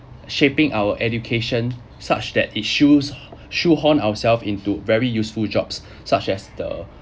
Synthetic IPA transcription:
ʃepɪ̃ŋʔaʊwəʔɛdjukʰeʃə̃n | sa̰t͡ʃdɛtit̚ʃusʃuhɔ̃nawəsɛlfĩntuvɛɹijusfuld͡ʒɔ̰bsː | at͡ʃɛsdə̰

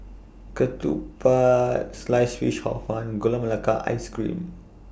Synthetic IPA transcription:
kɐtṵpaslajsfiʃha̰wfʰanɡulɐmɐlakaʔa̰jskɾḭm

